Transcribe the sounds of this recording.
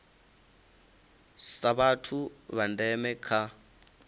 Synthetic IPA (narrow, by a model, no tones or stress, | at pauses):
saβatʰuβandɛmɛkʰa